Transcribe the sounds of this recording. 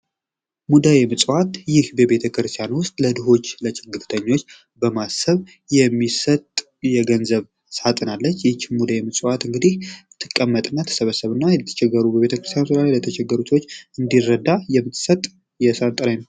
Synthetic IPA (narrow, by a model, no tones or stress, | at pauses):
mud̪ajemɨsʼwat̪jɪhbəβe̞t̪ʰəkɾɨst̪ʰjanwʊst̪ʼləd̪ɨɦo̞t͡ʃːlət͡ʃɪɡɨt̪t̪ʰəɲːo̞t͡ʃː | bəmasəβ | jɛmːisət̪ʼ | jɛɡənzəβ | sat̪ʼɨnalːət͡ʃːjɪt͡ʃːmud̪ajemɨsʼwat̪ɨŋɡɨd̪iht̪ʰːɨkʼːəmːət̪ʼɨnːajt̪ʰə̥səβəsːəβɨnːajɛət̪ʰə̥t͡ʃʰɛɡːəɾubəβe̞t̪ʰəkɾɨst̪ʰjansɨd̪alajlət̪ʰət͡ʃʰɛɡəɾuswot͡ʃːɨnd̪irːəd̪ajɛmːɨt̪ːɨsət̪ʼ | jɛsat̪ʼɨɾajnəw